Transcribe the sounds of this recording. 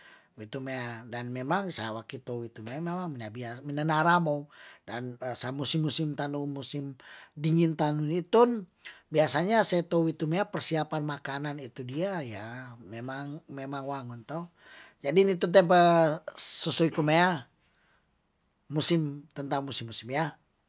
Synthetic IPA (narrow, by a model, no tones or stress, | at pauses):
wit̪umeadanmemaŋsajawakit̪owit̪umeamemaŋminabiaminanaɾamodanəsamusimːusimt̪anumusɪmdiŋint̪anunit̪unbiasaɲasat̪owit̪umeapərsiapanmakananit̪udiajamemaŋmemaŋwaŋɔnt̪ɔh | d͡ʒadinit̪unt̪ɛmpa | susuikumea | usɪmt̪ənt̪aŋmusimːusimja